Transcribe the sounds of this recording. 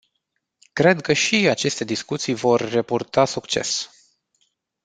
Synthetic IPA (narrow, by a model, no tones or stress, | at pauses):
kɾe̞d̪kəʃiat͡ʃe̞st̪e̞d̪iskut̪sijvo̞rːepurt̪asukt͡ʃe̞̰s